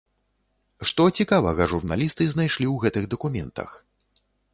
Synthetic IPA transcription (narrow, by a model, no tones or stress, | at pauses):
ʂt̪ɔt͡sʲikavɐɣɐʐurna̰lʲist̪ɨznajʂlʲiwɣɛt̪ɨɣd̪ɐkumʲɛ̰nt̪ɐ̰x